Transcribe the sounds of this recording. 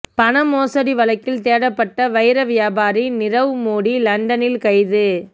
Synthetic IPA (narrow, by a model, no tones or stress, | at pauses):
pɐɳɐmoːsɐɽiʋɐlɐɪkːɪlt̪eːɽɐpːɐʈːɐʋɐɪɾɐʋɪjaːbaːɾinɪrɐʋɯmoːɽilɐɳɖɐnɪlkɐɪðɯ